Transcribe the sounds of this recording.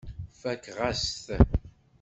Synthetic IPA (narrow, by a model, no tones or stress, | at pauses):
fækːʁasθ